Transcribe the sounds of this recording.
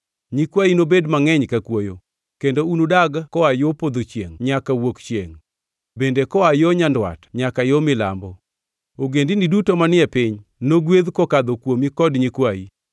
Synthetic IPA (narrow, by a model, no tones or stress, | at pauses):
ɲikwainobedmaŋɛɲkakwojo | kendounudaɡkɔajopod̪ot͡ʃjeŋɲakawokt͡ʃjḛŋ | bendekɔajɔɲandwa̰tɲakajomɪla̰mbɔ | oɡendinidutomanɪɛpɪɲnoɡwed̪kokad̪okwomikɔdɲikwai